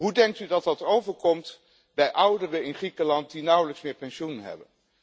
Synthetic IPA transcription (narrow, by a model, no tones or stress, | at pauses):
ɦudɛŋk̚tydɑt̚dɑtowvəɹkɔmt | bɛjʔʌwdərəɪnχrikəlɑnt̚dinʌwləksmɪːɹpɛnʃunənɦɛ̰bə